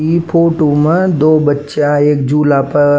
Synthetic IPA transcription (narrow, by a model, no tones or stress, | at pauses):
ipʰoːʈoːmə̃d̪oːbətːʃaeːkd͡ʒuːlaːpɐ